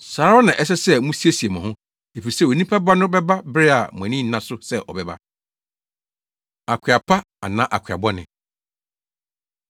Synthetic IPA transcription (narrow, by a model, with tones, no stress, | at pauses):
saː˨˦ɾɔ˦nã˨ʔɛ˦s̬ɛ˦sɛ˦mũ˦si˦e˦si˨e˨mã˨ɦʊ̃˦ | e˨fi˨i˨sɛ˦˨wo˨nĩ˦pʰa˦ba˦nʊ̃˦bɛ˦ba˦bɾɪ˦a˨mʊ̃˨æ̃˨nĩ˦nã˦sʊ˦sɛ˦ʔɔ̰˨bɛ˨ba̰˦ | a˨kʰɪ˨a˨pʰa˦ | a̰˨nã˦ʔa˨kʷʰᶣa̰˨bɔ˦nɪ̰̃˨